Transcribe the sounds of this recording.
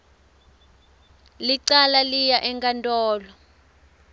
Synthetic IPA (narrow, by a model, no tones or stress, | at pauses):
liǀalalijaʔɛŋkʼantʼɔːlɔ